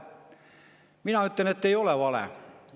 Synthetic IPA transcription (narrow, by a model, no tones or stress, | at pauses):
minæyt̪ːænet̪ːeijoleʋɑlɛ̰